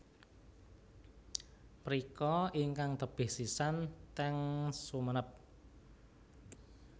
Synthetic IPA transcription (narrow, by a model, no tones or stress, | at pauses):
pɾikɔiŋkaŋt̪əb̥ɪ̤hsisant̪ɛŋsumənəp̚